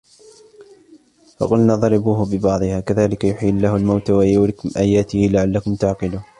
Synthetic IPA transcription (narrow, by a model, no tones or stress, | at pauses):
fɑ̰qʊlnaːðˤɑɾɑbuːhbɪbɑʕd̪ˤɨhaːkaðaːlɪkajʊħiːlːaːhalmawt̪awajuwlɪkʊmʔaːjaːt̪ɪhɪlaʕalːakʊmt̪aʕqɨluːh